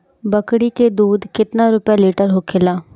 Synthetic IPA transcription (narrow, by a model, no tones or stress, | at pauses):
bəkɽiːkeːd̪uːd̪kɪt̪nãːɾʊpjaːliːʈəɾɦoːkʰɪlaː